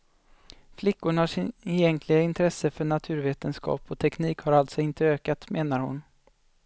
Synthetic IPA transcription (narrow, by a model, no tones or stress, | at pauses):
flɪkːʊɳaʂɪɪjɛŋkʰlɪɡaɪnt̪ʰɾɛsəfœɳat̪ʰʉ̟ːɾveːt̪ənskɑ̰ːpɔt̪ʰɛkniːkhaɾalt̪sɔɪnt̪əøːkat̪meːnaɾhʊ̰n